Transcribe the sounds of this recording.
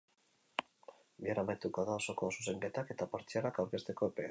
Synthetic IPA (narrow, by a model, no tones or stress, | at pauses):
biaɾamajt̪ukoðao̞so̞kosus̬e̞mbet̪ake̞t̪apaɾt͡siaɾakawɾke̞st̪e̞ko̞epe